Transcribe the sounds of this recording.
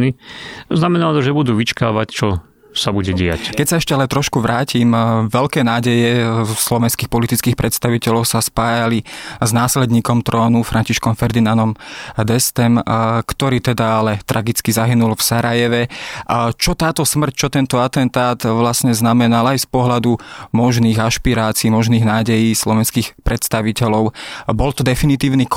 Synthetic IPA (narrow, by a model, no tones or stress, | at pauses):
niznamɛnalt̪ɔʒɛbud̪uːʋit͡ʃka̰ːʋact͡ʃɔ | sabuɟɛɟɛa̰ckɛcsaɛʃcɛalɛt̪ɾɔʃkuʋɾaːcimʋɛlkɛːnaːɟɛjɛslɔʋɛnskiːxpɔlit̪itt͡skiːxpɾʔɛt̪st̪aʋicɛlɔʊsaspaːjaliznaːslɛd̪ɲiːkɔmt̪ɾɔːnufɾaɲciʃkɔmfɛɾd̪inanɔmd̪ɛst̪ɛmkt̪ɔɾiːt̪ɛd̪aalɛt̪ɾʔaɡit͡skizaɦinulfsaɾajɛʋɛ | t͡ʃɔt̪aːt̪ɔsmr̩c̚t͡ʃɔt̪ɛnt̪ɔat̪ɛnt̪aːt̪ʋlasɲɛznamɛnalajspɔɦlad̪umɔʒniːɣaʃpiɾaːt͡siːmɔʒniːɣnaːɟɛjiːslɔʋɛnskiːxpɾɛt̪st̪aʋicɛlɔʊbɔlt̪ɔd̪ɛfinit̪iːʊnik